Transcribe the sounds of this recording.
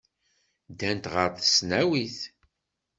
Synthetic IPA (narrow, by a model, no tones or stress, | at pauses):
d̪ænt̪ʁəɾθə̥snæwiθ